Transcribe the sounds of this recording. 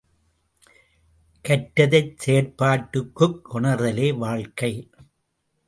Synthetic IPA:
kɐʈːɐðɐɪt͡ʃseːɾpaːʈːɯkːɯkːʊɳɐɾðɐleːʋaːɻkɐɪ

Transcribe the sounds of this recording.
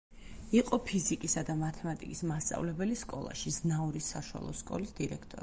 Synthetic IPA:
iqʼɔpʰizikʼisad̪amat̪ʰɛmat̪ʼikʼismast̪sʼa̰vlɛbɛliskʼɔ̰lˠa̰ʃiznauɾisːaʃwa̰lˠɔ̰skʼɔ̰lisd̪iɾɛkʰt̪ʼɔɾ

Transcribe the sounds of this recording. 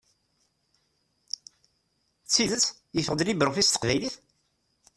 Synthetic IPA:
t͡sːiðət͡sː | jəfəʁd̪libɾʊfist̪ə̥qvæjliθ

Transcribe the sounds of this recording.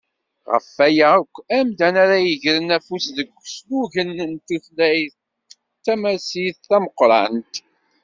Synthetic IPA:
ʁə̰fːæjækʷːæmd̪ænaɾæjəʝɾənæfusðəɡʷːsluʝənːənt̪içlæjθ | t̪ːæmæsiθθæməqɾˤɑ̰nt̪

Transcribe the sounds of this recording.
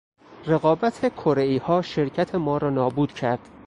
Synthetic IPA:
re̞ɣɒːbæt̪ʰekʰoɾeiːhɒːʃe̞ɾcʰæt̪ʰe̞mɒːɾɒːnɒːbuːd̪̥cʰæɾd̪̥

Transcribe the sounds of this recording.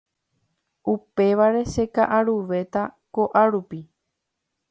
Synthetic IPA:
upe̞ʋaɾe̞ʃe̞kaʔaɾuʋe̞t̪ako̞ʔaɾupi

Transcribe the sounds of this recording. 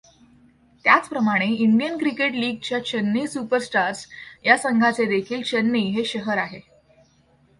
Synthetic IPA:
t̪jat͡spɾəmaɽ̃eiɳɖijənkɾikeʈliːɡ̚t͡ɕjat͡ɕənːiːsupəɾsʈaɾsjasəŋɡʱat͡sed̪ekʰiːlt͡ɕənːiːɦeɕəɦəɾaɦe

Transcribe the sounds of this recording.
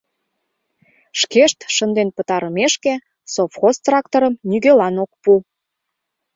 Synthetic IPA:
ʃkeʃt̪ʃənd̪enpət̪ɑɾəmeʃke | sofxost̪rɑkt̪oɾəmnyɣelɑnok̚pu

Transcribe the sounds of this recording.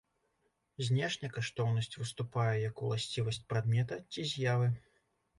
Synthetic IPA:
zʲnʲɛʂnʲɐkaʂt̪ɔwnɐsʲt͡sʲvɨst̪upajɛjɐkulˠasʲt͡sʲivɐsʲt͡sʲpɾad̪mʲɛt̪ɐt͡sʲizʲjavɨ

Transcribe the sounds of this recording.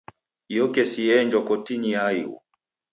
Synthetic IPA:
jɔkɛsiɛɲd͡ʒwɔkɔtiɲiajṵ

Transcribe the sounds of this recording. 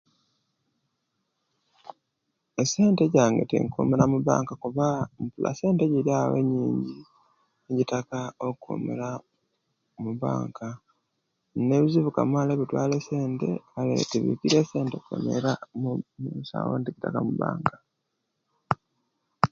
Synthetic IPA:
ese̞ːnte̞ɟaːŋɡe̞tḭŋkṵːmeɾamuβa̰ːŋkakuβam̩pulʔa̰se̞ːnte̞ɟiɾjawḛɲːiːɲɟi | eɟitakao̞kṵmḛɾa | muβa̰ːŋka | ne̞βiziβukamwaːleβitwaːle̞se̞ːnte̞̰kalḛtiβḭkiɾe̞ːse̞ːnte̞kwḛmḛɾamumuːsa̰ːwo̰ndiɟitakamuβa̰ːŋkḁ

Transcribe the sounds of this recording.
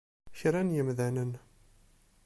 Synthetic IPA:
çɾænjəmðænən

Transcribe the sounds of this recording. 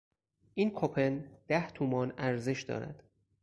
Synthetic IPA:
ʔiːnkʰopʰe̞nd̪̥æht̪ʰuːmɒːnæɾze̞ʃd̪ɒ̰ːɾæ̰d̪̥

